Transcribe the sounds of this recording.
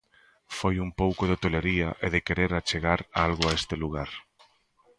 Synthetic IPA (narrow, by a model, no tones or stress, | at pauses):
fojumpowkʊðɪt̪oleɾiɐʔeðɪkeɾeɾat͡ʃeɣaɾaalɣʊaest̪ɪluɣ̞aɾ